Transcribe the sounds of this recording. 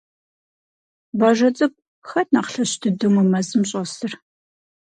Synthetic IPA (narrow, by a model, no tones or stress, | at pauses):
bɐʒɐt͡sʼɨp̚ʼ | xɐtʰnaqɬɐɕtʰɨdɨmumɐzɨmɕʼɐsɨr